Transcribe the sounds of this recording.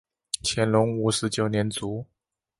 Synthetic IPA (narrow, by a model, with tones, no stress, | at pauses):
t͡ɕʰjɛ˧˥nlʊ˧˥ŋu˨˩ʂɻ̩˧˥t͡ɕjo˨˩ʊnjɛ˧˥nt͡su˧˥˦